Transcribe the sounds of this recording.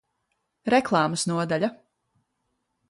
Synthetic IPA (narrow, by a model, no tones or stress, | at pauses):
ɾɛklˠɑːmsnuɔd̪aʎʲa